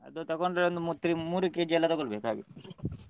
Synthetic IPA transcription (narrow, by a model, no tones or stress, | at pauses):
ɐ̰d̪ut̪ɔkoɳɖɐɾond̪umut̪ːɾimuːɾukeːd͡ʒiɛlːɐt̪ɔɡoɭbeːkaːɡit̪ːu